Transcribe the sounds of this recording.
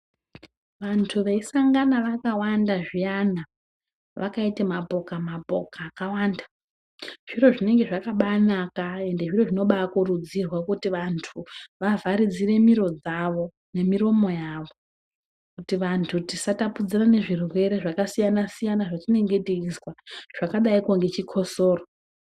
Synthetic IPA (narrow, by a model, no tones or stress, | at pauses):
ʋantʰuʋe̞isaŋɡanaʋakawandaʐijana | ʋakaitemapo̞kamabʱo̞̰kaːkawaːnda | ʐ̥iro̞ʐine̞ŋɡe̞ʐakaɓanakae̞nde̞ʐiro̞ʐino̞ɓakuɾud͡zirwakutiʋantʰuʋavʱaɾid͡zire̞miɾo̞d͡zaʋo̞ | ne̞miɾo̞mo̞jaʋo̞ | kutiʋantʰutisatapud͡zirane̞ʐirwe̞ɾe̞ʐakasijanasijanaʐatine̞ŋɡe̞tiiswaʐ̥akaɗaikoŋɡe̞t͡ʃikʰo̞soːro